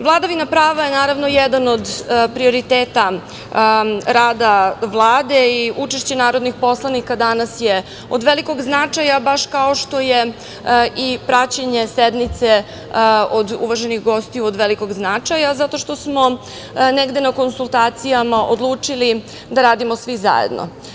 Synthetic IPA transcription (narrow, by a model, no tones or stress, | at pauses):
ʋlˠad̪aʋinapɾaːʋajenaːɾaʋno̞jɛd̪anod̪pɾio̞ɾit̪eːt̪a | ɾaːd̪aʋlˠaːd̪e̞iʔut͡ʃeʃt͡ɕenaːɾod̪nixpo̞slˠanikad̪anasje | od̪ʋeliko̞ɡznat͡ʂajabaʃkao̞ʃt̪o̞je | ʔipɾat͡ɕaɲesed̪mit̪se | od̪ṵʋaʒenixɡo̞st̪iuod̪ʋeliko̞ɡznat͡ʂajazat̪o̞ʃt̪o̞smo̞ | neɡd̪enako̞nsulˠt̪aːt̪sijamaʔod̪lˠuːt͡ʂili | d̪aɾaːd̪imosʋiza̰jḛd̪no̰